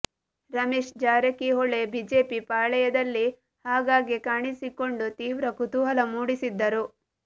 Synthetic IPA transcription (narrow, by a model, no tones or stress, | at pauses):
ɾɐmeːʃd͡ʒaːɾɐkiɦoɭebiːd͡ʒeːpipaːɭɛjɐd̪ɐlːi | haːɡaːɡikaːɳisiko̞ɳɖut̪iːʋɾɐkut̪uɦɐlɐmuːɽisid̪ːɐɾu